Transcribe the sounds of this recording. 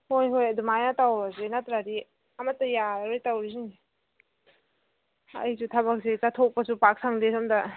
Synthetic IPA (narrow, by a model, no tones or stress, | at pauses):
hojɦojadumajnatawɾazenatɾaɾi | ɐmɐtːɐjaɾojtawɾisiŋi | ɐ̰jsutʰabak̚setatʰok̚pɐsupak̚sʰaŋdesɔmdɐ